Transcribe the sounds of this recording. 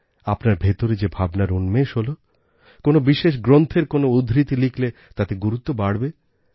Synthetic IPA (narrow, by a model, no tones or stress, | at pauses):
apnaɾbʱet̪oɾed͡ʑebʱabnaɾunmeʃɦolo | konobiʃeʃ̬ɡɾont̪ʰeɾkonoud̪ʱɾit̪ilikʰlet̪at̪eɡuɾut̪ːobaɽbe